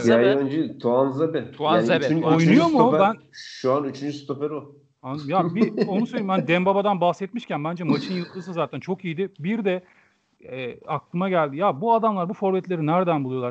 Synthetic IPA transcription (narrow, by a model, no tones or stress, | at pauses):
jajønd͡ʒit̪ʰuanzebɛt̪ʰuanebojnujomubænʃuanyt͡ʃʰynd͡ʒyst̪opeɾu | and̪mjabio̞nusøjʲlʲimbænd̪ɛmbabad̪anbaxsɛt̪miʃcænbænd͡ʒɛmat͡ʃʰɯnjɯlˠk̪lˠɯsɯzaːt̪ʰænt͡ʃʰo̞kijid̪ɪbiɾd̪ɛ | ɛːaklˠɯmaɟælʲd̪ijabuad̪amlˠaɾbufo̞ɾbɛt̪lʲe̞ɾinæɾd̪ænbulˠujo̞lˠaɾ